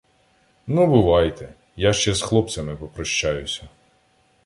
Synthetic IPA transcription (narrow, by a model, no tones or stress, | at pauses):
nubʊʋɑjt̪ɛ | jaʃt͡ʃɛsxlˠɔpsɐmɪpɔpɾɔʃt͡ʃajʊsʲɐ